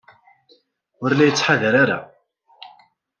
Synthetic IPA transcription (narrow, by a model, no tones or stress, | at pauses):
ʊɾlæjət͡sːħaðəɾaɾa̰